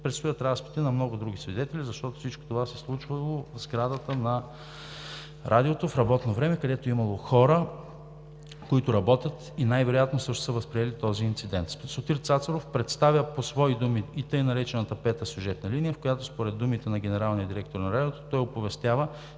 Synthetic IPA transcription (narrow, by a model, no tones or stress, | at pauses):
pɾɛt̪st̪ʊjət̪ɾaspi̥t̪inɐmnɔɡʊd̪ɾuɡʲisvid̪ɛt̪ɛlʲizɐʃt̪ɔt̪o̥fsit͡ʃko̥t̪ovasɛslˠut͡ʃvəlˠovzɡɾad̪ət̪ənɐ | ɾʔad̪iot̪ofɾɐbɔt̪novɾɛmɛkɐd̪ɛt̪oɛimɐlˠoxɔɾə | koit̪ʊɾɐbɔt̪ʲjət̪ | inajvɛɾojat̪nosɤʃt̪o̥səvɐspɾiɛlit̪ɔziːnt̪sid̪ɛnt̪sot̪iɾt̪sat̪sɐɾofpɾɛt̪st̪avʲjəposvɔid̪umiːt̪ɤjnɐɾɛt͡ʃɛnət̪ɐpɛt̪əsʲjuʒɛt̪nɐlinijəfkojat̪ospoɾɛd̪ːumit̪ɛnɐɡʲɛnɛɾalˠniəd̪iɾɛk̚t̪oɾnɐɾad̪iot̪ot̪ɔjopovɛst̪ʲjavə